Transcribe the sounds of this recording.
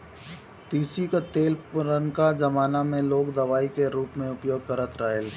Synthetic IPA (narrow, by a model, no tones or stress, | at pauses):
t̪iːsikat̪eːlpʊɾənkad͡ʒɐmaːnamẽloːkd̪ɐʋaːikeɾuːpmẽʊpjoːɡ̚kəɾət̪ɾaːjəl